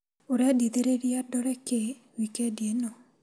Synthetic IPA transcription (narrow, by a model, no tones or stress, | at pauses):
ʊɾɛdid̪eɾeɾiadɔɾɛke | wikedjeno